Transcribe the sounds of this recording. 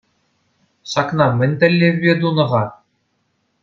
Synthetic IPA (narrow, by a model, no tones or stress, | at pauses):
ɕɑknɑmʲɘ̆nʲt̪ʲɘ̆lʲːeʋʲbʲed̪unɤ̆ʁɑ